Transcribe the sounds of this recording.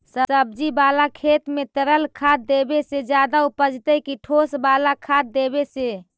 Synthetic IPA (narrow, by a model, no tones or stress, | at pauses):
səəb̚d͡ʒibalakʰet̪met̪əɾəlkʰad̪̚ebesed͡ʒjad̪aupəd͡ʒt̪əkiʈʰosbalakʰad̪̚ːebese